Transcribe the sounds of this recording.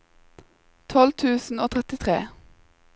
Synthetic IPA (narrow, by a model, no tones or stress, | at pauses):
t̪ʰɔlt̪ʰʉːsn̩oːt̪ʰʁɛt̪ɪt̪ʰʁḛː